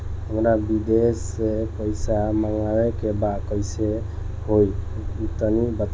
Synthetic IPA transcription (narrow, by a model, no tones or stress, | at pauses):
əmɾabid̪esːepəjsamaŋawekebakɔjse | hojt̪ənibət̪